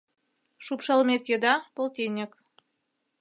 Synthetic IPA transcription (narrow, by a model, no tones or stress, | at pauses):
ʃupʃɑlmet̪jə̆d̪ɑpolˠt̪ʲenʲek